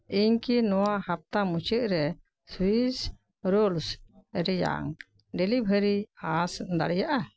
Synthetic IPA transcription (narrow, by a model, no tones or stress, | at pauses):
iɲkinɔwahap̚t̪amut͡ʃəʔ̚ɾɛ | swis | ɾolsəɾija̰ŋ | ɖelibʱəɾiasd̪a̰ɽɛjaʔa